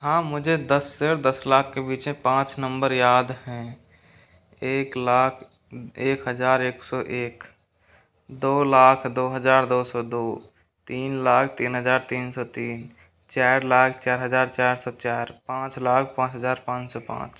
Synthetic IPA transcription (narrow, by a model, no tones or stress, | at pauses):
ɦãːmʊd͡ʒʱed̪əsːəɾd̪əslaːkʰːebiːt͡ʃẽpãːt͡ʃnəmbəɾjaːd̪ɦɛ̃ | eːklaːkʰ | eːkɦəd͡ʒaːɾeːksɔʔeːk | d̪oːlaːkʰd̪oːɦəd͡ʒaːɾd̪osɔd̪oː | t̪iːnlaːkʰt̪iːnɦəd͡ʒaːɾt̪iːnsɔt̪iːn | t͡ʃaːɾlaːkʰt͡ʃaːɾɦəd͡ʒaːɾt͡ʃaːɾsɔt͡ʃaːɾpãːt͡ʃlaːkʰpãːt͡ʃɦəd͡ʒaːɾpãːt͡ʃsɔpã̰ːt͡ʃ